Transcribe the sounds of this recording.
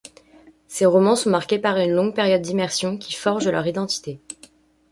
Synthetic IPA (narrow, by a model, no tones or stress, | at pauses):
seʁɔmɑ̃sɔ̃maʁkʲepaʁynlɔ̃ŋɡpɛʁjɔd̪̚ːimɛʁsjɔ̃kʲifɔʁʒəlœʁid̪ɑ̃t̪i̥t̪e